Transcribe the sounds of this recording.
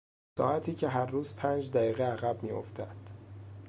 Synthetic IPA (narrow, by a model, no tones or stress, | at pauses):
sɒ̰ːʔæt̪ʰiːcʰe̞ɦæɾːuːzpʰæːnd͡ʒd̪æjiːɣeæɣæb̚miːo̰ft̪æd̪̥